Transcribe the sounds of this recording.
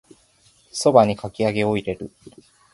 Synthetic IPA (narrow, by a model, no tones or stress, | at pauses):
so̞baɲ̟ikakʲiaɡe̞o̞iɾe̞ɾɯ̟